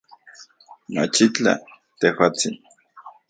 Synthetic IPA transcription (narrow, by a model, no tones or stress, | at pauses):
ma̰t͡ʃit͡ɬa̰ | t̪ehwaːt͡sin